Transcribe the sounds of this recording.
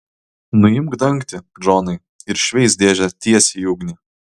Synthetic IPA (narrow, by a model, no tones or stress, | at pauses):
nʊɪmɡd̪ɐŋkt̪ʲɪ | d͡ʒoːnɐɪ | ɪɾʃʲʋʲɛɪsd̪ʲeːʒʲɛt̪ʲiɛsʲɪjuːɡnʲɪ